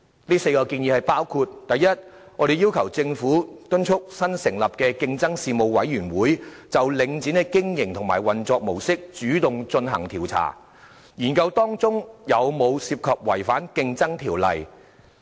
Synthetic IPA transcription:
liː˥se˧jkɔː˧kiː˧njiː˨˧hɐ˨˩jpaː˥wkʰuː˧t̚t̪ɐ˨jːɐ˥t̚ | ŋɔː˨˧ɾe˨jiː˥wkʰɐ˨˩wt͡sɪ˧ŋfuː˨˥t̪ɵ˥nt͡ʃʰʊ˥k̚sɐ˥nsɪ˨˩ŋlɐ˨p̚kɛː˧kɪ˧ŋt͡sɐ˥ŋsiː˨mo˨˧wwɐ˨˥jɥyː˨˩nwuː˨˥jt͡sɐ˨wlɪ˨˧ŋt͡siː˨˥nɛ˧kɪ˥ŋjɪ˨˩ŋt̪ʰʊ˨˩ŋma̰ː˨˩jwɐ˨nt͡sɔː˧k̚mo˨˩wsɪ˥k̚t͡ʃyː˨˥t̪ʊ˨ŋt͡ʃɵ˧nɦɐ̰˨˩ŋt̪ʰiː˨˩wt͡sʰa̰ː˨˩ | jiː˨˩nkɐ˧wt̪ɔː˥ŋt͡sʊ˥ŋjɐ˨˧wmo˨˧wsiː˧p̚kʰɐː˨p̚wɐ˨˩jfaː˨˥nkɪ˧ŋt͡sɐ˥ŋt̪ʰiː˨˩wlɐ̰˨j

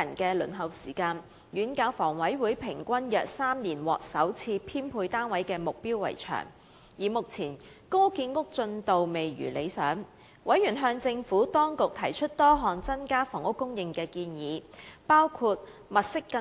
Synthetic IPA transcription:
ɐ˨˩nkɛː˧lɵ̰˨˩nɦɐ˨wsiː˨˩kaː˧n | jyː˨˥nkaː˨˧˥wfɔː˨˩ŋwɐ˨˥jwuː˨˥jpʰɪ˨˩ŋkʷɐ˥njœː˨k̚saː˥mniː˨˩nwɔ̰ː˨k̚sɐ˨˥wt͡sʰiː˧pʰiː˥npʰuː˧jt̪aː˥nwɐ˨˥jkɛː˧mʊ˨k̚piː˥wːɐ̰˨˩jt͡ʃʰœ̰ː˨˩ŋ | jiː˨˩mʊ˨k̚t͡sʰiː˨˩n | ko˥kiː˧nŋʊ˥k̚t͡sɵ˧nt̪o˨wme˨jɥy̰ː˨˩le˨˧jsœ̰ː˨˥ŋ | wɐ˨˥jɥyː˨˩nɦœː˧ŋt͡sɪ˧ŋfuː˨˥t̪ɔː˥ŋkʊ˨k̚t̪ʰɐ˨˩jt͡ʃʰɵ˥t̚t̪ɔː˥ɦɔː˨nt͡sɐ˥nkaː˥fɔː˨˩ŋʊ˥kːʊ˥ŋjɪ˨ŋkɛː˧kiː˧njiː˨˧paː˥wkʰu˧t̚ | mɐ˨t̚sɪ˥kːɐ˧

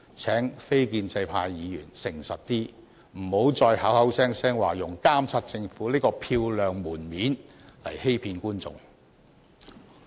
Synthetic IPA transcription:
t͡sʰɛː˨˥ŋfe˥jkiː˧nt͡sɐ˧jpʰaː˧jːiː˨˧jyː˨˩nsɪ˨˩ŋsɐ˨t̚t̪iː˥ | m̩˨˩ho˨˥wt͡sɔː˧jha˨˥whɐ˨˥wsɛː˥ŋsɛː˥ŋwaː˨˩jʊ˨˩ŋkaː˥mt͡sʰɐ˥t̚t͡sɪ˧ŋfuː˨˥liː˥kɔː˧pʰiː˧wlœː˨˧ŋmuː˨˩nmiː˨˥nlɐ̰˨˩jhe˥jpʰiː˧nkuː˥nt͡sʊ̰˧ŋ

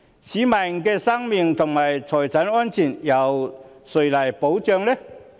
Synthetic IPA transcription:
siː˨˥ma˨˩jŋkɛː˧sɐ˥ŋmi˨˧ŋt̪ʰʊ˨˩ŋmaː˨˩jt͡sʰɔː˨˩jt͡sʰɐ˨˥nɔː˥nt͡sʰiː˨˩njɐ˨˧w | sɵ˨˩jlaː˨˩jpo˨˥wt͡sœː˧ŋlɛ˥

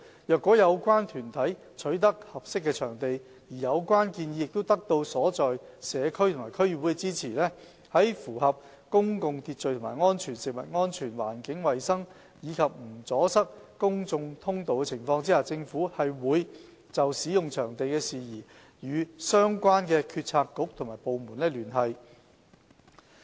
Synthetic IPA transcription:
jœː˨kːɔː˨˥jɐ˨˧wkʷaː˥nt̪ʰyː˨˩nt̪ʰɐ˨˥j | t͡ʃʰɵ˨˥ɥt̪ɐ˥k̚hɐ˨p̚sɪ˥kːɛː˧t͡ʃʰœː˨˩ŋt̪e˨j | jiː˨˩jɐ˨˧wkʷwaː˥nkiː˧nji˨˧jɪ˨k̚t̪o˥wt̪ɐ˥k̚t̪o˧wsɔː˨˥t͡sɔː˨jsɛː˨˧kʰɵ˥ɥt̪ʰʊ˨˩maː˨˩jkʰɵ˥ɥy˨˩wu˨˥kɛ˧t͡siː˥t͡sʰiː˨˩lɛː˥ | hɐ˨˥jfuː˨˩hɐ˨p̚ | kʊ˥ŋkʊ˨˧ŋt̪ʰiː˧t̚t͡ʃɵ˨ɥt̪ʰʊ˨˩ma̰ː˨˩jŋɔː˥nt͡ʃʰyː˨˩nsɪ˨k̚mɐ̰˨˩t̚ŋɔː˥nt͡ʃʰyː˨˩nwa̰ː˨˩nkɪ˨˥ŋwɐ˨jsɐ˥ŋ | jiː˨˧kʰɐ˨p̚m̩˨˩t͡sɔː˨˥sɐ˥k̚kʊ˥ŋt͡sʊ˧ŋt̪ʰʊ˥ŋt̪o˨wkɛ˧t͡sʰɪ˨˩ŋfɔː˧ŋt͡siː˥haː˨˧t͡sɪ˧ŋfuː˨˥hɐ˨jwuː˨˧j | t͡sɐ˨wsiː˨˥jʊ˨ŋt͡ʃʰœː˨˩ŋt̪e˨jkɛː˧siː˨jiː˨˩ | jyː˨˧sœː˥ŋkʷaː˥nkɛː˧kʰyː˧t̚t͡sʰaː˧kːʊ˨˥k̚t̪ʰŋmaː˨˩jpo˨˧wmuː˨˩nlɛː˥lyː˨˩nɦɐ˨j

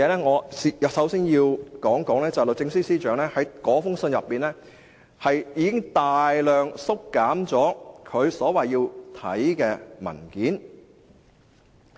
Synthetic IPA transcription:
ɛː˨˧lɛː˥ŋɔː˨˧si˨jsɐ˨˥wsiː˥njiː˧wkɔː˨˥ŋkɔː˨˥ŋlɛː˥t͡sɐ˨lo˨w̚t͡sɪ˧ŋsiː˥siː˥t͡ʃœː˨˧˥ŋlɛː˥hɐ˨˥jkɔː˨˥fʊ˥ŋsɵ˧njɐ˨pːiː˨nlɛː˥ | hɐ˨jjiː˨˧kɪ˥ŋt̪aː˨jlœː˨ŋsʊ˥kːaː˨˥mt͡sɔː˨˥kʰɵ˨˧ɥsɔː˨˥wɐ˨jiː˧wt̪ʰɐ̰˨˥jkɛː˧mɐ̰˨˩nkiː˨˥n

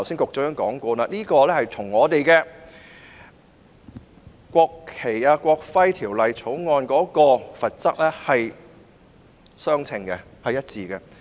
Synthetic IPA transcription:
wsi˥nkʊ˨k̚t͡sɵ˧hœː˨˥ŋkɔː˨˥ŋkʷɔː˧naː˧niː˥kɔː˧lɛː˥hɐ˨jt̪ʰʊ˨˩ŋŋɔː˨˧t̪e˨jkɛː˧ | kʷɔː˧kʰːe˨˩jaː˧kʷɔː˧k̚fɐ˥jt̪ʰiː˨˩wlɐ˨jt͡sʰo˨˥wŋɔː˧nkɔː˨˥kɔː˧fɐ˨t̚t͡sɐ˥k̚lɛː˥hɐ˨j | sœː˥ŋt͡sʰɪ˨ŋkɛ̰˧ | hɐ˨jɐ˥t̚t͡siː˧kɛ˧

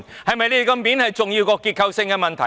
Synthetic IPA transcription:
hɐ˨jmɐ˨jliː˥kɐ˧mmiː˨˥nhɐ˨jt͡sʊ˨ŋjiː˧wkɔː˧kːiː˧t̚kʰɐ˧wsɪ˧ŋkɛː˧mɐ˨nt̪ʰɐ˨˩

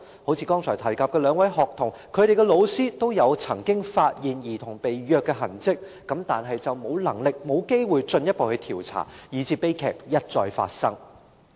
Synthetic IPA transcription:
ho˨˥wt͡sʰiː˧kɔː˥ŋt͡sʰɔː˨˩jt̪ʰɐ˨˩jkaː˨p̚kɛ˧lœː˨˧ŋwɐ˨˥jɦɔː˨k̚t̪ʰʊ˨˩ŋkʰɵ˨˧ɥɾe˨jkɛ˧lo˨˧wsiː˥t̪o˥wjɐ˨˧wt͡sʰɐ˨˩ŋkɪ˥ŋfaː˧t̚jiː˨njiː˨˩t̪ʰʊ˨˩ŋpe˨jjœː˧kːɛː˧ɦɐ˨˩nt͡sɪ˥k̚ːɐ˨˥mt̪aː˨nɦɐ˨jt͡sɐ˨wmo˨˧wlɐ˨˩ŋlɪ˨k̚mo˨˧wke˥jwuː˨˧jt͡sɵ˧njɐ˥t̚po˨whɵ˧ɥt̪ʰiː˨˩wt͡sʰa̰ː˨˩jiː˨˩t͡sʰiː˧˥pe˥jkʰɛ̰ː˨˩k̚jɐ˥t̚t͡sɔː˧jfa̰ː˧t̚sɐ˥ŋ

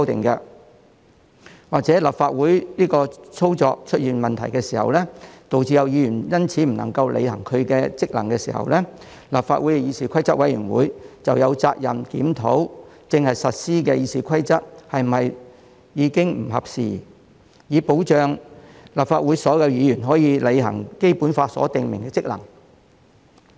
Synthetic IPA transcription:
sɔ˥wt̪ɪ̰˨ŋkɛ˧ | waː˨k̚t͡sɛː˨˥lɐ˨˩p̚faː˧t̚wuː˨˥jniː˥kɔː˧t͡sʰo˥wt͡sɔ̰ː˧k̚t͡ʃʰɵ˥t̚jiː˨nmɐ˨nt̪ʰɐ˨˩jkɛ˧siː˨˩hɐ̰˨wlɛ˥t̪o˨wt͡siː˧jɐ˨˧wjiː˨˧˥jyː˨˩njɐ˥nt͡sʰiː˨˥m̩˨˩nɐ˨˩ŋkɐ˧wlʔḛ˧jhɐ˨˩ŋkʰɵ˨˧ɥkɛː˧t͡sɪ˥k̚lɐ̰˨˩ŋkɛː˧sḭː˨˩hɐ̰˨wlɛ˥ | lɐ˨p̚fa̰ː˧t̚wu˨˥jɛ˧˩jiː˧siː˨kʰɐ˥jt͡sɐ˥t̚wɐ˨˥jyː˨˩nwṵː˨˥jt͡sɐ˨wjɐ˨˧wt͡saː˧k̚jɐ˨mkiː˨˥mt̪ʰo˨˥w | t͡sɪ˧ŋhɐ˨jsɐ˨t̚siː˥kɛ˧jiː˨˧siː˨kʷʰɐ˥jt͡sɐ˥t̚hɐ˨jm̩˨˩ɐ˨j | jiː˨˧kɪ˥ŋm̩˨˩hɐ˨p̚siː˨ | jiː˨˧po˨˥wt͡ʃœː˨˧ŋlaː˨˩p̚faː˧t̚wu˨˥jsɔː˨˥jɐ˧wjiː˧jyː˨˩nɦɔː˨˥jiː˨˧le˨˧jɦɐ̰˨˩ŋke˥jpuː˨˥nfaː˧sɔ̰ː˨˥t̪ɪ˨ŋmɪ̰˨˩ŋkɛ˧t͡sɪ˥k̚lɐ̰˨˩ŋ

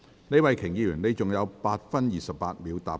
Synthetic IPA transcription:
ne˧jwɐ˨˧jkʰɪ˨˩ŋjiː˧jyː˨˩ne˨˧jt͡sʊ˨ŋjɐ˨˧wpaː˧t̚fɐ˥njiː˨sɐ˨p̚ːaː˧t̚mi˨˧wt̪a̰ː˨˩p

